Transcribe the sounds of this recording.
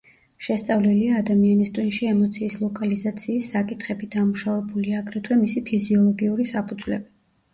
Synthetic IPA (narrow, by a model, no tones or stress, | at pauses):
ʃɛst̪sʼavliliaːd̪amianist̪ʼwinʃiɛmɔt̪sʰiːslˠɔkʼalizat̪sʰiːsːakʼit̪ʰχɛbid̪amuʃavɛbuliaːɡɾɛt̪ʰwɛmisipʰiziɔlˠɔɡiuɾisapʰud̪zwlɛ̰bi